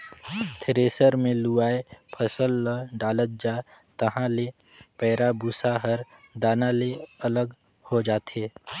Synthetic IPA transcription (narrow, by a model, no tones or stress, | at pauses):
t̪ʰɾeːsəɾmẽluaːepʰəsəlːəɖaːlət̪̚d͡ʒaː | t̪ɐɦãle | pɛːɾabusaɦəɾ | d̪aːnaleɐləɡ | hod͡ʒaːt̪eː